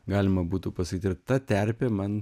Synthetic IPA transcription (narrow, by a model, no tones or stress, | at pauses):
ɡɑːlʲɪmɐbuːt̪upɐsɐkʲit̪ʲɪɾt̪ɐt̪ʲɛɾʲpʲɛmɐn